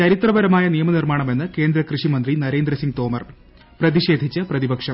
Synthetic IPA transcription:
t͡ɕɐɾit̪rɐbɐɾɐmaːjɐnijɐmɐnirmaːɳɐme̞nːɨke̞ːnd̪ɾɐkrɨʂimɐnd̪rinɐɾe̞ːnd̪ɾɐsiŋɡt̪o̞ːmɐr | prɐðiʂe̞ːd̪ʱit͡ɕːɨprɐðibɐkʂɐm

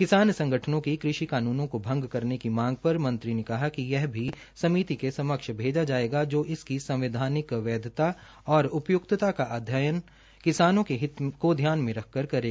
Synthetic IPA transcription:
kɪsaːnsɐ̃ŋɡʱəʈʰənõkikɾɪʃikaːnuːnõkobʱɐ̃ŋɡkɐɾnekimãːŋɡ̚pɐɾmɐ̃nt̪ɾinekɐɦakijɛɦbʱi | sɐmiːt̪ikesɐməkʃbʱeːd͡ʒad͡ʒaːeːɡad͡ʒoːʔɪskisɐ̃mʋɪd̪ʱaːnɪkʋɛːd̪ʱɪt̪a | ɔːɾʊpjʊk̚t̪t̪akaʔaːd̪ʱjajən | kɪsaːnõkeɦɪt̪kod̪ʱjaːnmẽɾɐkʰkɐɾkɐɾeːɡa

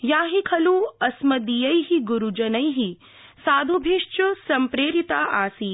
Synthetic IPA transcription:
jaːɦikʰɐluɐsmɐd̪ijɐjɦiɡuɾud͡ʒɐnɐjɦi | saːd̪ʱubʱiʂt͡ʃusɐmpɾeːɾit̪aːʔaːsiː

